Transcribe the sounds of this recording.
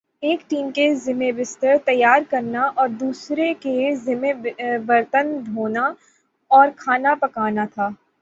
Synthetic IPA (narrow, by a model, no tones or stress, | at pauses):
eːkʈiːmkezɪmebɪst̪əɾt̪ɐjːaːɾkɐɾnaʔɔːɾd̪uːsɾekezɪmebbɐɾt̪ənd̪ʱoːna | ɔːɾkʰaːnapɐkaːnat̪ʰaː